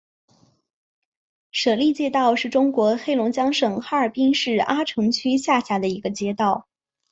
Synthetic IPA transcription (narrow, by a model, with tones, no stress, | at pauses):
ʂɤ˨˩li˥˧t͡ɕjɛ˥˧t̪ɑ˥˧ʊʂɻ̩˥˩ʈ͡ʂʊ˥ŋkwɔ˧˥xe˥˩ɪlʊ˧˥ŋt͡ɕjɑ˥ŋʂɤ˨˩ŋxa˥ə˞˨˩pi˥nʂɻ̩˥˩a˥ʈ͡ʂʰɤ˧˥ŋt͡ɕʰy˥ɕja˥˩ɕja˧˥d̪ə˧i˧˥ɡə˧t͡ɕjɛ˥t̪ɑ˥˩ʊ